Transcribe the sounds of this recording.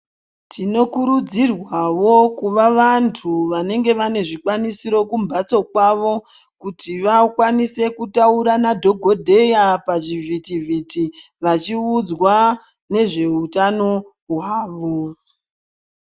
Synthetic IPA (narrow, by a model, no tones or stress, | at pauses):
tʰino̞kuɾud͡zirwawo̞kuʋaʋantʰuʋane̞ŋɡe̞ʋane̞ʐikwanisiɾo̞kumbʱat͡so̞kwaʋo̞ | kutʰiʋakwanise̞kutauɾanadʱo̞ɡʱo̞dʱe̞japaʐivitiviti | ʋat͡ʃiud͡zwa | ne̞ʐe̞utano̞ | ɦwaːʋo̞